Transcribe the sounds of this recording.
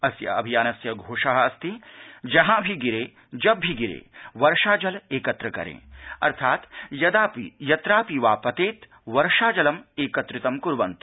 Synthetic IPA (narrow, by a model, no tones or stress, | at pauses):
ɐsjɐ̰ɐ̰bʱijaːnɐsjɐɡʱoːʂɐɦɐɐst̪id͡ʒɐɦãːbʱiɡiɾeː | d͡ʒɐbːʱiɡiɾḛːʋɐɾʃaːd͡ʒɐleːkɐt̪ɾɐkɐ̰ɾḛ̃ːɐ̰ɾt̪ʰaːt̪jɐd̪aːpijɐt̪ɾaːpiʋaːpɐt̪eːt̪ | ʋɐɾʃaːd͡ʒɐlɐmeːkɐt̪ɾɪt̪ɐmkuɾʋɐnt̪u̥